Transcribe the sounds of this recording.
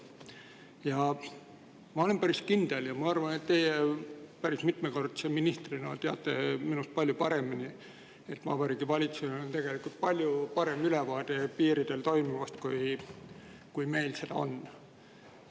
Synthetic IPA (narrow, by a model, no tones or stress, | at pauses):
jɑ | mɑo̞le̞mpæɾiskind̪̥e̞ljɑmɑɑrvɑne̞t̪ːe̞jepæɾismit̪meko̞rd̪̥seminist̪rinɑ̰t̪eɑ̰t̪ːˑe̞̰minust̪̚pɑlʲjupɑɾemini | e̞t̪vɑ̰ːbɑɾiːɡ̥ivɑlʲit̪seneont̪e̞ɡ̥e̞likult̪̚pɑlʲjupɑɾe̞mylɛvɑːd̪̥e̞piːɾid̪̥e̞lt̪o̞jmivɑst̪kuj | kujme̞jlse̞d̪̥ɑ̰o̞̰n